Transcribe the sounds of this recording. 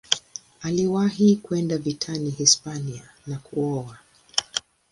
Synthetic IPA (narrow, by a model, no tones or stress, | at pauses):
aliwaɦikuɛndavitʰanihispania | nakuɔwa